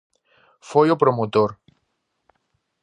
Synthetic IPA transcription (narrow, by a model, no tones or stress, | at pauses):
fojopɾomot̪oɾ